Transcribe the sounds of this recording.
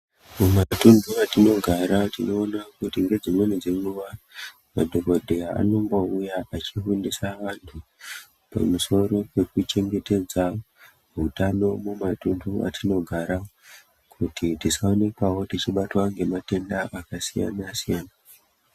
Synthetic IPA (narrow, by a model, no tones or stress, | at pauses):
mumatunduatino̞ɡʱaɾatino̞ːnakutiŋɡe̞d͡zimwenid͡ze̞ŋɡuʋa | madʱo̞bʱodʱeaa̰no̞mbo̞ujaat͡ʃiɦundisaʋantʰu | pa̰muso̞ɾo̞wwe̞kut͡ʃe̞ŋɡe̞te̞d͡za | utano̞mumatundʱua̰tʰino̞ɡʱaɾa | kʰutitiskao̞ne̞kwawo̞tit͡ʃiɓatwaŋɡe̞mate̞ndaʔakasija̰nasijaːna